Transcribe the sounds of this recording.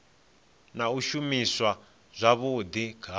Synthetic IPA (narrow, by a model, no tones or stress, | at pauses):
nauʃumiswa | zʷaβud̪iɡʰʱa